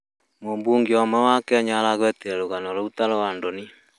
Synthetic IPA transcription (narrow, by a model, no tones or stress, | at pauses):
mombuːŋɡiɔmɛwakɛɲalaɣwɛteɾoɣanɔloutaɾɔwandoni